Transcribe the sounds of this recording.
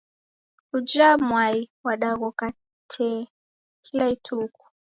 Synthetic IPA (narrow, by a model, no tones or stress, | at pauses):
ud͡ʒamwaiwaɗaɣɔka | tʰɛ | kʰilaitʰuku̥